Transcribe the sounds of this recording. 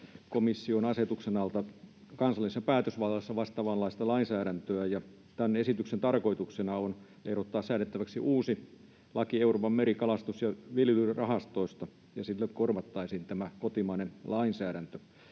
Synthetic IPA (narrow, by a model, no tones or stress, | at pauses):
komisːionɑset̪uksenɑlt̪ɑ | kɑnsɑlːˑisesːɑpæːt̪øsʋɑlːɑsːɑʋɑst̪ɑʋɑlːɑist̪ɑlɑinsæːɾænt̪øæjɑ | t̪ænesit̪yksent̪ɑrkoit̪uksenɑon | eirot̪ːɑːssæːnet̪ːæʋæksiʔuːsi | lɑkieuroːpɑmmeɾikɑlɑst̪usjɑʋilylyrɑhɑst̪oˑist̪ɑ | jɑsilːekkorʋɑt̪ːɑisiːnt̪æmækot̪imɑinenlɑinsæːɾænt̪ø̥